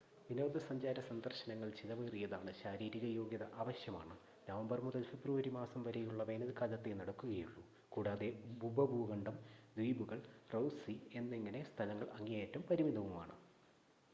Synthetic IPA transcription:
ʋinoːd̪ɨsɐɲd͡ʑaːɾɐsɐnd̪ɐrɕɐnɐŋːɐɭt͡ɕilɐʋeːrijɐðaːɳɨɕaːɾiːɾiɣɐjo̞ːɡjɐðɐʔaːʋɐɕjɐma̰ːɳɨ | nɐʋɐmbɐrmuðɐlfebrɨʋɐɾimaːsɐmʋɐɾejuɭːɐʋe̞ːnɐðɨkaːd͡ʑɐt̪ːenɐɽɐkːuɣɐjuɭːu | kuːɽaːðe̞bubɐbuːɣɐɳɖɐmd̪ʋiːbuɣɐɭrowsie̞nːeŋːɐne̞st̪ʰɐlɐŋːɐɭɐŋːijaːtːumpɐɾimiðɐʋumaːɳɨ

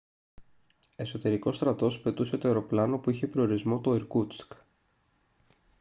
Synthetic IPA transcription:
e̞so̞t̪e̞ɾiko̞st̪ɾɐt̪o̞spe̞t̪use̞t̪oe̞ɾo̞plɐno̞puiçe̞pɾooɾizmo̞t̪oeɾkut͡sk

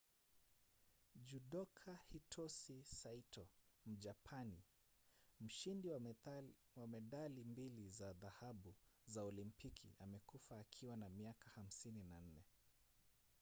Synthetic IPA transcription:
d͡ʒuɗɔkʰahitʰɔsisaitʰɔm̩d͡ʒapʰani | m̩ʃindi | wamɛɗalimbilizaðahaɓuzaɔlimpikʰḭamɛkufaːkʰiwanamiakaham̩sininan̩nɛ

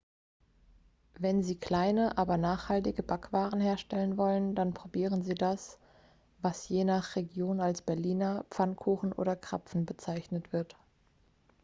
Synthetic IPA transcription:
vɛnziːkl̥aɪnəʔaːbɐnaːχhaltɪɡəbakv̥aːʁən̩heːɐʃtɛlənvɔləndanpʁ̥obiːʁənziːdas | vasjeːnaχʁeɡjoːnalsb̥ɛɐliːnɐp͡fankʰuːxn̩ʔo̰ːdɐkʁ̥a̰pp͡fn̩bət͡saɪçnətv̥ɪɐt

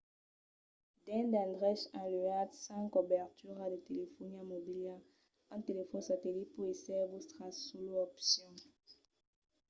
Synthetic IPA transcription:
d̪̥ɛ̃d̪ɛ̃d̪ʁɛʃãlyat̪sãkobɛʁt̪yʁad̪et̪elefɔnamobilja | ãt̪elefɔ̃nsat̪elit̪̚puesɛvusʁasoloɔpsjɔ̃

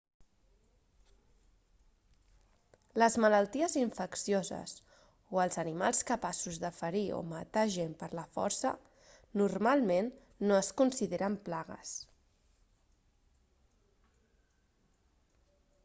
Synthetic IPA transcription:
ləzmələlˠt̪iəziɱfəksijozə̰s | oəlˠzənimalˠskəpasuzðəfəɾio̰mət̪aʒempəɾləfɔ̰ɾsə̰ | nurmalˠmenː | oəskunsiðeɾəmplaɣə̰s

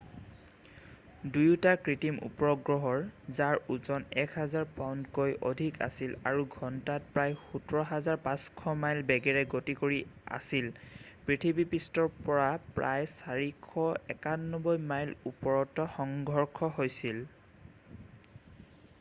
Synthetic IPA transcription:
dujtakɹitimʔṵpɔɹɔɡɹɔɦɔɹzaɹuzɔnɛkʰazaɹpawndkojʔo̰dʱika̰sila̰ɹuɡʱɔntat̚pɹajxutɔɹɔɦazaɹpãskʰɔmajlbɛɡɛɹɛɡotikoɹia̰sil | pɹitʰibipistɔɹpɔɹapɹa̰jsaɹikʰɔɛkanːɔbɔjmajlupɔɹɔtɔxɔŋɡʱɔɹkʰɔɦojsil

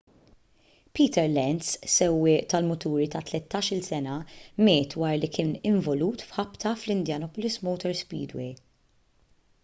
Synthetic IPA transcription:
piːt̪ɛɾlɛnt̪ssɛwːɪːʔt̪ɐlmʊt̪uːɾit̪ɐt̪lɛt̪ːɐːʃɪlsɛnɐmɛːt̪wɐːɾlikɪːnɪɱvɔluːt̪fħɐpt̪ɐflɪnd̪jɐnɔpɔlɪsmɔwt̪ɔɾspḭːd̪wḛ

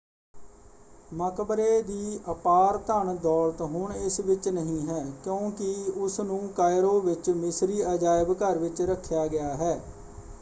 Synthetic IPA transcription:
məkbɾeːd̪iːʔəpaːɾt̪əɳd̪ɔːlt̪ɦʊɳɪsʋɪt͡ʃnəɦĩːɦɛːkjõːkɪʊsnũːkaːɪɾoːʋɪt͡ʃmɪsɾiːəd͡ʒaːɪbkəɾʋɪt͡ʃɾəkʰːjaːɡɪjaːɦɛː

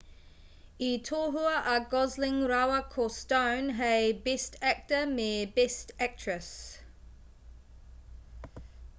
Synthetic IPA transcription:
itʰɔɦuəʔaɡɔzlɪ̃ŋɹaʊəkʰɔstə̃ʊnɦebɛstʰæk̚təmɛːbɛstæk̚tʰɹ̥əs

